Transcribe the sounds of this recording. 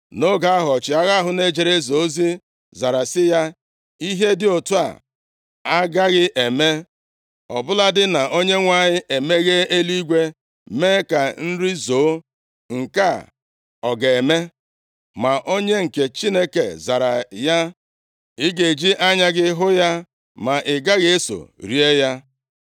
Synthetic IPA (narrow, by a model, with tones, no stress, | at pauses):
no˦ɡa˨˦a˦ɦɔ˨t͡ʃɪ˨a˦ɣa˦ɦʊ˨ne˦d͡ʒe˨ɾe˦zo˨˦zi˦ | za˨ɾa˨sɪ˦ja˦ | i˦ɦe˦dɪ˨o˨tu˦a̰˨ | a˦ɡa˦ɣɪ˦ʔe˨me˦ | ɔ̰˨bʊ˦la˦dɪ˦na˨ʔo˦ɲe˦ŋʷa˦ɲɪ˦ʔe˨me˦ɣe˦e˦li˦ɡʷe˦ | me˦ka˨n̩˦ɾi˦zoː˨˦ | ŋ̩˨ka˦˨ | ɔ˨ɡe˨e˨me˦ | ma˨ʔo˦ɲe˦ŋ̩˨ke˨t͡ʃi˦ne˦kḛ˨za˨ɾa˨ja˦ | ɪ˦ɡe˨d͡ʒi˦ʔa˦ɲa˦ɡɪ˦ɦʊ˦ja˦ | ma˨ʔɪ˨ɡa˦ɣe˦so̰˨ɾi˦e˦ja˦